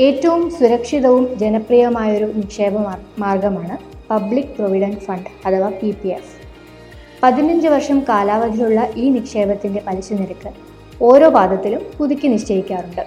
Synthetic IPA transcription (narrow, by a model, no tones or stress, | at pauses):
e̞ːtːɐʋumsuɾɐkʂiðɐʋumd͡ʑenɐprijɐmaːjo̞ɾunikʂeːbɐmaːrɡɐmaːɳɨ | pɐblikːproʋiɽɐnfɐɳɖɐt̪ʰɐʋapipies | pɐðinɐɲd͡ʑɨʋɐrʂɐmkaːlaːʋɐd̪ʱijuɭːɐʔiːnikʂe̞ːbɐt̪ːinde̞pɐliɕuniɾɐkːɨ | o̞ːɾo̞ːbaːd̪ʱɐt̪ːilumpuðikʲːɨniʂt͡ɕɐjikʲːaːruɳɖɨ